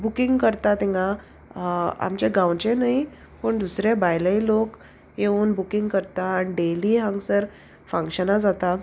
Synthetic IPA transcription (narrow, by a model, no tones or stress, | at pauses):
bukĩŋɡkəɾt̪at̪ĩŋɡã | a̰mt͡ɕeɡãwt͡ɕenaɦi | pəɳd̪usɾabajləilok | jeuːnbukiŋɡkəɾt̪aːñiɖeliːɦãŋɡsəɾ | fə̃ŋkɕənad͡zat̪a